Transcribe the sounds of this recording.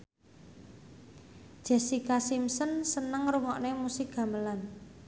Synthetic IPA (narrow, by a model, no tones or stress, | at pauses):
d̥ʒ̥ɛ̤sikasimsənsənəŋɾuŋɔʔnemusiɡɡ̥ä̤məlan